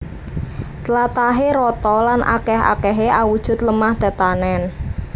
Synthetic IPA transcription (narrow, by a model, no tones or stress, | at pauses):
t̪lat̪aɦeɾɔt̪ɔlanʔa̰kɛɦa̰kɛɦeʔawud̥ʒ̥ʊ̤t̪ləmahd̪̥a̤t̪anɛn